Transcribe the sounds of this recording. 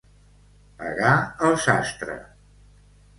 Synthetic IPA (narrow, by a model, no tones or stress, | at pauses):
ə̰ɾaəlˠsast̪ɾə̰